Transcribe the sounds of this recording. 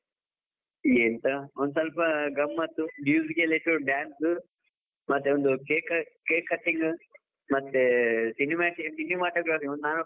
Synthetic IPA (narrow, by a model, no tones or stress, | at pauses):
jent̪ɐond̪usɐlpɐɡɐmːɐt̪ːumjuːzikeleʈuɖaːnsɨ | mɐt̪ːeond̪ukeːkɐkeːkɐʈiŋɡ | mɐt̪ːesinimaʈiksinimaːʈoːɡɾaːfiŋond̪naːnu